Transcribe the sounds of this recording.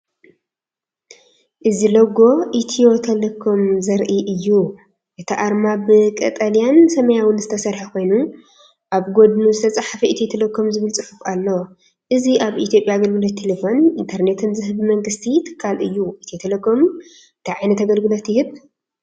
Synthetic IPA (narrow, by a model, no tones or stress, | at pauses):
ʔɨzilɐɡo̞ʔit̪ʰijo̞t̪ʰɐlekʰomzɐɾʔiʔɨjːu | ʔɨt̪ʰiʔaɾmabɨkʼɐt̪ʼalijansɐmɐjawʊnzɨt̪ʰɐsɐɾħakʰo̞jnu | ʔaβɡo̞d̪nuzɨt̪ʰɐt͡sʼaħafɐʔit̪ʰiet̪ʰelɐkʰːomzɨβɨlt͡sʼɨfɨfalːo | ʔɨziʔaβʔit̪ʰjo̞pʼjaɡɐlɡɨlot̪ʰːelefo̞nint̪ʰɐɾne̞t̪ʰɨnzɨɦɨβmɐŋɡɨst̪ʰit̪ʰɨ̥kʰːalɨjːuʔit̪ʰiot̪ʰelekʰom | ɨnt̪ʰiʕajnɐt̪aɡɐlɡɨlo̞t̪jɪhɨβ